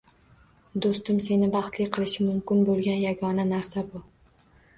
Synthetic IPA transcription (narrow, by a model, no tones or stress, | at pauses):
d̪ost̪ɪmse̞nɪbɑχt̪lɪjqʰɨlˠɪʃɪmʊmkʲɪnbolˠɡʲanjaɡɒnanaɾsabʊ